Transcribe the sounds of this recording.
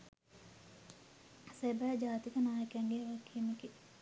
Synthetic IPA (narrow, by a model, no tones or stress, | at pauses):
sebæd͡ʒaːt̪ik̪ənaːjekaŋɡeʋakʰːimeki